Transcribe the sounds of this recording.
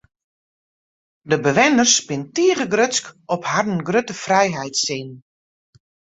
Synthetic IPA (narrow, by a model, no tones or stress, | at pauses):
dəbəʋɪnərspɪntiəɣəɡrøskɔpharn̩ɡrøtəfrɛjɦɛjtsin